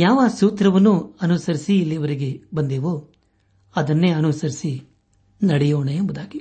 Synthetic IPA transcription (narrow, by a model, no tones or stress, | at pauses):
jaːʋɐsuːt̪ɾɐʋɐnːuɐnusɐɾisiːlːijɐʋɐɾiɡe̞bɐnd̪eːʋoː | ɐd̪ɐnːe̞ːɐnusɐɾisi | nɐɽɛjoːɳeembud̪aːɡi